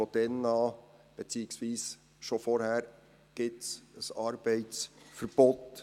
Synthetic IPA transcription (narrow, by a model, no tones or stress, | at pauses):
ɔd̥ɛnɑːb̥ɛt͡siːɪksʋiːs | ʃɔfɔɾhæːɾ | ɡ̥ɪtsəsɑɾb̥ɛɪt͡sfəɾb̥ɔt